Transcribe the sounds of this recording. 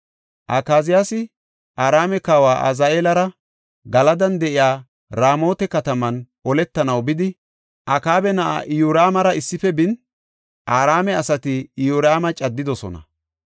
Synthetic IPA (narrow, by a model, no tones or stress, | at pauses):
ʔakaːzɪjaːsɪ | ʔaːɾaːmɛkaːwaːʔa̰zaːe̞ːlɐɾɐ | ɡɐlɐd̪ɐnd̪ɛʔɪjaː | ɾaːmo̞ːt̪ɛkɐt̪ɐmɐnʔɔlɛt̪ːɐnɐwbɪd̪ɪ | ʔɐkaːbɛnɐʔa̰ʔɪjuːɾaːmɐɾɐɪsːɪfɛbɪn | ʔaːɾaːmɛɐsɐt̪ɪːjuːɾaːmɐt͡ʃʼɐd̪ːɪd̪ɔsɔ̰nɐ̰